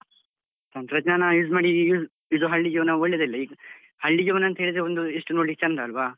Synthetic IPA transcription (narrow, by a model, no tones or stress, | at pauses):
sɐmp̪ɾɐd͡ʒnaːnɐjuːd͡ʒmaːɽijuːd͡ʒ | id̪uɦɐɭːid͡ʒuʋɐnɐɔɭːed̪ɐilːɐiɡɐ | hɐɭːid͡ʒiʋɐnɐɐnt̪ɐɦeɭid̪ɾeond̪ueʂʈunoːʈik̚t͡ʃɐnd̪ɐɐlʋaː